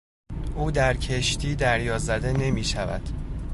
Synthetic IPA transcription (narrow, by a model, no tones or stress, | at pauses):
ʔuːd̪æɾcʰeʃt̪ʰiːd̪æɾjɒːzæd̪e̞ne̞miːʃævæ̰d̪̥